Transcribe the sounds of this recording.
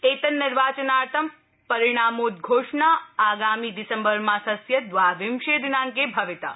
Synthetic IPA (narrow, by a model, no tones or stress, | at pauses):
eːt̪ənːɪɾʋaːt͡ʃənaːɾt̪ʰəm | pɐɾiɽ̃aːmuːt̪ɡʱoːʂɳaaːɡaːmid̪ɪsəmbəɾmãsɐsjɐd̪ʋaʋɪmʃed̪ʱnãːŋkebʱɐʋɪt̪a̰